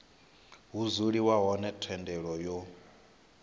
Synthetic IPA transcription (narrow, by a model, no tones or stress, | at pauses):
ɦuzuɺiwaɦɔnɛtʰwɛndɛɺɔjɔ